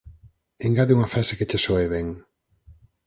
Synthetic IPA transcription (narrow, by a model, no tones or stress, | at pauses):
eŋɡaðeuŋɐfɾaseket͡ʃesɔeβɛŋ